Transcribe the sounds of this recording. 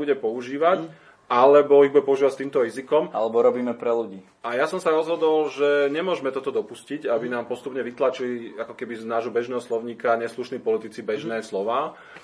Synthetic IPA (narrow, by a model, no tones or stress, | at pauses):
buɟɛpɔuʒiːʋac | alɛbɔibuɟɛpɔuʒiʋacst̪iːmt̪ɔɾizikɔma̰lɛbɔɾɔbiːmɛpɾɛluɟiː | ajasɔmsaɾɔzɦɔd̪ɔlʒɛɲɛmʊɔʒmɛt̪ɔt̪ɔd̪ɔpusciɟabinaːmpɔst̪upɲɛʋit̪lat͡ʃiliakɔkɛbinaːʒɦɔbɛʒnɛːɦɔslɔʊɲiːkaɲɛsluʃniːpɔlit̪it͡sibɛʒnɛːslɔʋaː